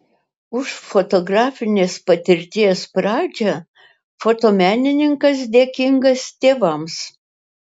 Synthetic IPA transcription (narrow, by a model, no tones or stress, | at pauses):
ʊʃfot̪oɡɾɑːfʲɪnʲeːspɐt̪ʲɪɾʲt̪ʲiɛspɾɑːd͡ʒʲɛ | foːt̪oːmʲæːnʲɪnʲɪŋkɐs̬d̪ʲeːkʲɪŋɡɐst̪ʲeːʋɐms